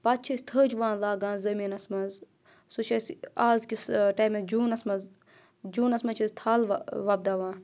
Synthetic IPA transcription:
pat̪̚t͡ʃʰɐsʲt̪ʰəːd͡ʒʋãːnlaːɡãːnzɐmiːnɐsmɐz | sut͡ʃʰɐsʲaːzkʲisʈaːjmed͡ʒuːnɐsmɐz | d͡ʒuːnɐsmɐt͡ʃʰɐzʲt̪ʰaːlʋɐb̚d̪aːʋãːn

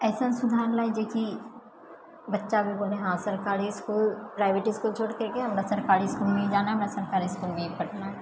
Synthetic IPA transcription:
ɛːsənsʊd̪ʱaːɾlaːid͡ʒeki | bɐtːʃabʱiboːlẽɦãsɐɾkaːɾiskuːlpɾaːɪʋeːʈiskult͡ʃʰoːɽkekeɦɐmɾasɐɾkaːɾiskuːlmẽĩd͡ʒaːnaɦɐmɾasɐɾkaːɾiskuːlmẽipɐʈna

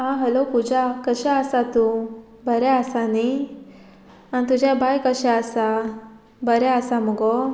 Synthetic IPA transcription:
ãɦəlokud͡ʑʱakəɕaəsat̪u | bəɾɛəsani | ant̪ud͡ʑʱabʱajkəɕaəsa | bəɾaəsaməɡɔ

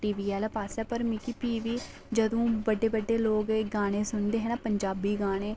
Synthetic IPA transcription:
ʈiːʋiːɛːlːpaːsɛːpəɾmiːkiːpiːʋiː | d͡ʒəd̪õːbəɖeːbəɖːeːloːɡɡaːɽ̃eːsʊnd̪eːɦɛːnaːpəɲd͡ʒaːbiːɡaːɽ̃eː

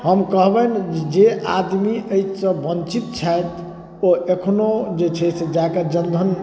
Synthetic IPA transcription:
ɦəmkəɦbɛnd͡ʒea̰d̪miəjt͡ʃʰsə̃bənt͡ʃit̪̚t͡ʃʰajt̪ | oʔekʰnod͡ʒet͡ʃʰɛsed͡ʒaked͡ʒənd̪ʱən

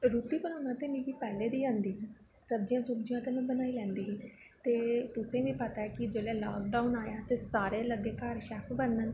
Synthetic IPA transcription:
ɾuːt̪iːbənaːnãːt̪eːmĩːʋiːpɛːleːd̪iːãːnd̪iːɦɛ̃ː | səb̚d͡ʒɪjãːsʊbd͡ʒɪjãːt̪ẽːmẽːbənaːiːlɛ̃ːnd̪iːɦː | t̪eːt̪ʊsẽːʋiːpət̪aːɛːkɪd͡ʒeːleːla̰ːk̚ɖaːunaːjaːt̪eːsaːɾeːləɡeːkaːɾʃɛːpʰbənən

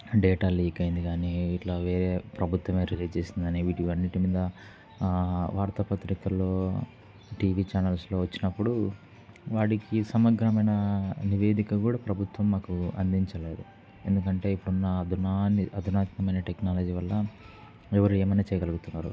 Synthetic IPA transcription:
ɖɛːʈaːliːkɐjind̪iɡaːniːʈlaːʋeːɾeːpɾɐbʱut̪ʋɐme̞ːɾiliːd͡ʒt͡ʃe̞ːsind̪iaːniːʋiːʈiʋɐnːiʈimiːd̪ɐ | ʋaːɾt̪ɐpɐt̪ɾikɐlːo̞ː | ʈiːʋiːt͡ʃaːnɐlslo̞ːʋɐt͡ʃːinɐpːuɽu | ʋaːʈikisɐmɐɡɾɐmɐjnɐniʋeːd̪ikɐkuːɽaːpɾɐbʱut̪ʋɐmːaːkuɐ̰nd̪iɲt͡ʃɐle̞ːd̪u | e̞̰nd̪ukɐɳʈe̞ːipːuɽunːɐd̪unaniɐd̪ʱinaːt̪ikɐmɐjnɐʈeknaːlɐd͡ʒiːʋɐlːɐ | ɛʋɐɾueːmɐnit͡ʃɛjɐɡɐluɡut̪unːaːɾṵ

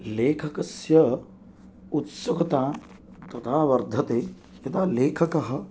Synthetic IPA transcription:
leːkʰɐkɐsjɐ | ut̪sɐkɐt̪aː | t̪ɐt̪ʰaːʋɐɾd̪ʱɐt̪eː | jɐt̪aːleːkʰɐkɐɦɐ̆

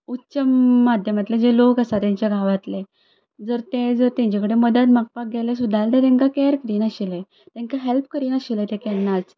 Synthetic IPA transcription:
utːɕəmːad̪ʱjəmat̪led͡zelokasat̪jãɲt͡ɕjaɡʱaʋat̪le | d͡zəɾt̪ed͡zəɾt̪jãɲt͡ɕakəɽeməd̪at̪mak̚pak̚ɡelesud̪ʱːalt̪eɾẽŋkakɛɾkɾiːnaɕile | t̪ɛ̃ŋkaɦelp̚kəɾiːnaɕilet̪ekɛnːat͡s

